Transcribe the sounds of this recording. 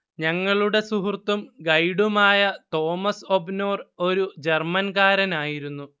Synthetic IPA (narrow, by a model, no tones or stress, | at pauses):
ɲɐŋːɐɭuɽe̞suɦurt̪ːumɡɐjɽumaːjɐt̪o̞ːmɐso̞bno̞ːro̞ɾud͡ʑe̞rmɐnɡaːɾɐnaːjiɾunːu